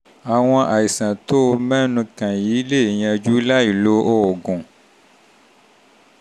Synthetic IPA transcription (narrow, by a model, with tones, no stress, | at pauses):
a˨w̃ɔ̃˧ʔa˨i˨sã˨t̪o˦o˧mɛ̃˦nũ˧kã˨ji˨˦le˦˨ɲã˧d͡ʒu˦la˦i˨lo˦ʔo˦o˨ɡũ˨